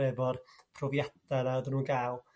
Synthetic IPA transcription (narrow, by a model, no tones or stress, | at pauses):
ɛbɔrpʰrɔvjadanaədənuːnɡaːlˠ